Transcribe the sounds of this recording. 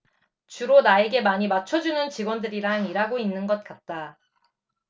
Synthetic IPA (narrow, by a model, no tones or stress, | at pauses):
t͡ɕuɾonae̞ɡe̞maɲimat͡ɕʰʌd͡ʑunɯnt͡ɕiɡwʌndɯɾiɾaŋiɾaɡoinːɯnɡʌt̚k͈at̚t͈a